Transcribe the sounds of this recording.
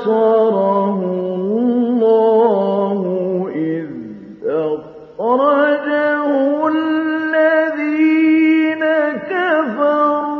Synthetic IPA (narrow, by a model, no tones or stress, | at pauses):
sɑːɾˤɑɦʊlːɑːhʊʔɪð | a | xɑɾˤɑd͡ʒahʊwallːaðiːnakafɑɾuː